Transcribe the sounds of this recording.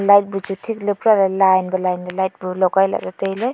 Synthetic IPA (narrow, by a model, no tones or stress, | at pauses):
lajt̚bud͡ʒutʰiklɯpɾaɾalajnbalajnbalajt̚bulɔɡajla̰ɾatəjlɯj